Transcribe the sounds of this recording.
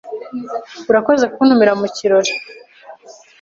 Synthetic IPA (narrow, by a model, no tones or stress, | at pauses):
uɾako̞zekuːn̥humiɾamuciɾo̞ɾo